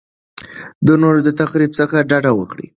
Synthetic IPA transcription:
d̪ənoɾod̪ət̪axɾibsəxaɖɑɖawə̰kɽḭ

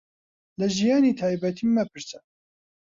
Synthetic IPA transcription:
lɛʒijaːniːt̪ʰaːjbɛt̪ʰiːmɛpʰɨɾsɛ

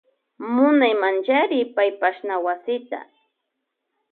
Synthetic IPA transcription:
mʊnajmant͡ʃaɾɪpajpaʃnawasɪt̪a̰

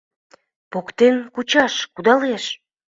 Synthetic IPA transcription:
pokt̪enkut͡ɕɑʃkud̪ɑleʃ

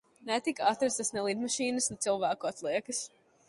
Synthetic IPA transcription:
nɛt̪ikat̪ɾast̪asnɛlˠiːd̪maʃiːnɨsnɛt̪silˠvæːkuat̪lˠiɛkɨs

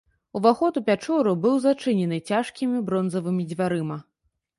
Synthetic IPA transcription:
uvaxɔt̪upʲat͡ʂɔɾubɨwzat͡ʂɨnʲɛnɨt͡sʲaʂkʲimʲibɾɔnzɐvɨmʲid͡zʲvʲaɾɨmɐ

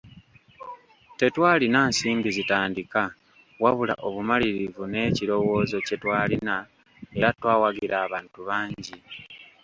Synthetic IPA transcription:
te̞twaːlinaːnsiːmbizitaːndika | waβula̰ʔo̞βumaliɾivune̞ːciɾo̞wo̞ːzo̞ce̞twaːlina | eɾatwaːwaɡiɾʔaːβaːntuβaːɲɟi

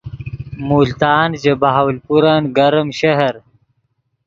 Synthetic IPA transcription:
muːlt̪aːnd͡ʑebaɦawlpuɾanɡɐɾəmɕɐɦɐɾ

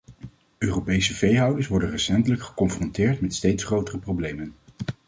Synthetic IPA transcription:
øːropejsəvejɦɑwdəɹsʋɔɹdənrɛsɛntələkχə̥kɔnfrɔntɪːɹtmɛtstejtsχrowtərəprowblejmən

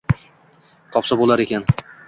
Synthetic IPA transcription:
t̪ʰɒpsabolˠaɾekʲʰan

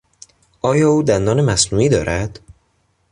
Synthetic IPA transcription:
ʔɒːjɒːuːd̪ænd̪ɒːne̞mæsnuːiːd̪ɒːɾʔæd̪̥

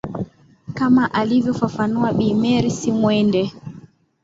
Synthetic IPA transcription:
kamaʔalivjɔfafanuaɓimɛɾisimwɛndɛ

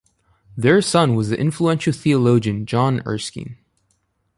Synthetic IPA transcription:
ðə˞sʌ̃nwʌziʔɪ̰̃ɱfluɛ̃nʃl̩ˠθiəloʊd͡ʒɨ̃nd͡ʒɑ̃nɜ̰˞skḭ̃n

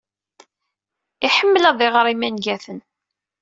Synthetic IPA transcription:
iħəmːəlɑðˤiʁɾˤimænɡæθən

